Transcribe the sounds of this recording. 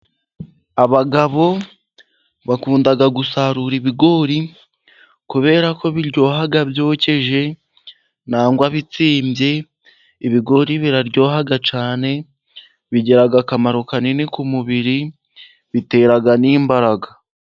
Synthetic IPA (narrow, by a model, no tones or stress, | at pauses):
aβaɡaβo̞ | βakuːndaɡaɡusaɾuɾiβiɡo̞ɾi | kuβe̞ːɾako̞βiɾɟo̞ːɦaɡabjo̞ːce̞ʒe̞ | naːŋɡwaβit͡siːmbje̞ | iβiɡo̞ɾiβiɾaɾɟo̞ːɦaɡat͡ʃaːne̞ | βiɟe̞ɾaɡakamaɾokaninikumuβiɾi | βite̞ːɾaɡaniːmbaɾaɡa